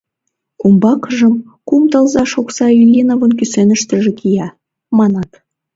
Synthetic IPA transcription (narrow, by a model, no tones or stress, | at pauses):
kumbɑkʒəm | kumt̪ɑlˠzɑʃoksɑilʲinovənkysenəʃt̪ə̆ʒĕkʰijɑ | mɑnɑt̪